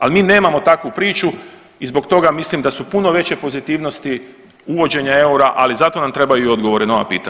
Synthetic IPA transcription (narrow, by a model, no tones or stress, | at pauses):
almiːne̞ːmamo̞t̪akʋupɾiːt͡ʃu | izbo̞kt̪o̞ɡamislimd̪asupuno̞ʋe̞t͡ɕe̞po̞zit̪iːʋno̞st̪i | uʋo̞d͡ʑe̞ɲae̞uɾaʔalizat̪o̞namt̪ɾe̞bajuio̞d̪ɡo̞ʋo̞ɾenaoʋa̰pḭːt̪a